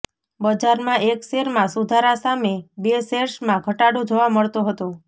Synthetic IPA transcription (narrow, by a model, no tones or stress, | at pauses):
bəd͡ʒaɾmãʔekseɾmãsud̪ʱaɾasamebeseɾʃmãɡʱəʈaɽũd͡ʒoʋaməɭt̪oɦət̪ũ